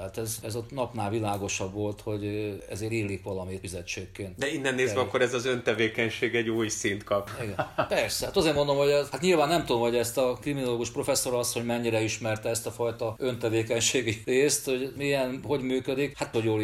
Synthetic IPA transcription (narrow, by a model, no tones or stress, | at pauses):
at̪ɛzɛzɒnɒpnaːlʋilaːɡo̞ʃɒbʋo̞lt̪ho̞ɟɛ̰zeːɾiːlːikʋɒlɒmit̪fizɛt͡ʃːeːkːeːnt̪d̪ɛinːɛnːeːzzɛɒkːo̞ɾɛzɒzønt̪ɛveːkɛɲʃeːɡɛɟuːjsint̪kɒpiɡɛnpɛrsɛhaːt̪ɒzeːrmo̞nd̪o̞mhohat̪ɲilvaːnːɛmt̪ud̪o̞mho̞ɟɛst̪ɒkriminoloːɡuʃpro̞fɛsːo̞ɾɒsːoɲmɛɲːiɾɛiʃmɛrt̪ɛɛst̪ɒfɒjt̪ɒø̞nt̪ɛveːkɛɲʃeːɡireːst̪ho̞ɟmiɛnho̞ɟmyːkød̪ikhat̪hoɟjoːl